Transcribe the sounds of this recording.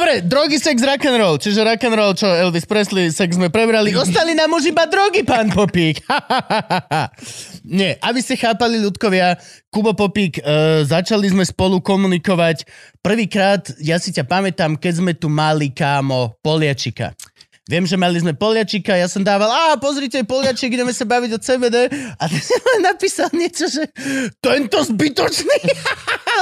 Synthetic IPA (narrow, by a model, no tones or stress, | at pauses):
d̪ɔbɾɛd̪ɾɔɡisɛɡzɾakɛnɾɔlt͡ʃiʒɛɾakɛnɾɔlt͡ʃɔɛlʋispɾɛslisɛɡzmɛpɾɛbɾaliɔst̪alinamːuʒibad̪ɾɔɡipaːnpɔpiːkaahahaa | ɲɛʔabiscɛxaːpaliʎut̪kɔʋɪakubɔpɔpiːkːzat͡ʃalizmɛspɔlukɔmunikɔʋacpr̩ʋiːkɾaːt̪jasicapamɛt̪amkɛɟzmɛt̪umalikaːmɔpɔlɪat͡ʃika̰ | ʋɪɛmʒɛmalizmɛpɔlɪat͡ʃikajasɔmd̪aːʋalaːpɔzɾicɛajpɔlɪat͡ʃiɡɟɛmɛsabaʋiɟɔt͡sɛːʋɛːd̪ɛat̪ɛsianapiːsalɲɪɛt͡ʃɔʒɛt̪ɛnt̪ɔzbit̪ɔt͡ʃni